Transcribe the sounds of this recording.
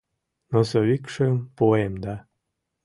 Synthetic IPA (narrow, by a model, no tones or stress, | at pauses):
nosoβikʃempoemd̪ɑ